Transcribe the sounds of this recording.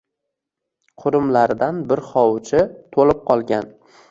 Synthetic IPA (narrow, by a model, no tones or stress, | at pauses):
qʰʊɾɪmlaɾd̪anbɪɾχɒwt͡ʃʰɪt̪ʰolɪp̚qʰɒlˠɡʲan